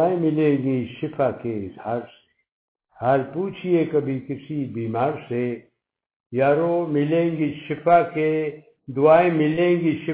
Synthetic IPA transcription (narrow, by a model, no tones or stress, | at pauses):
aːẽmɪlẽːŋɡiʃɪfʰakeɪzhaːɾse̥ | haːlpuːt͡ʃʰiekɐbʱikɪsibiːmaːɾse | jaːɾomɪlẽːŋɡiʃɪfʰake | d̪ʊaːẽmɪlẽːŋɡiʃɪ